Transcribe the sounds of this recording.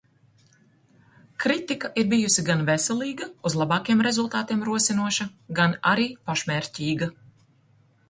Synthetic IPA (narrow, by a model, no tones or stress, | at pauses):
kɾit̪ikaʔiɾbijusiɡanvɛsɛlˠiːɡɐuzlˠabɑːkjɛmɾezulˠt̪aːt̪iɛmɾuɔsinuɔʃɐɡana̰ɾiːpaʃmʲɛɾʲcʲiːɡa